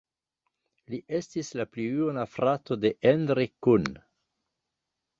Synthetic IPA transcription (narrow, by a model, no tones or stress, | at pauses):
liʔestislaplijunafɾatode̞ʔendɾekun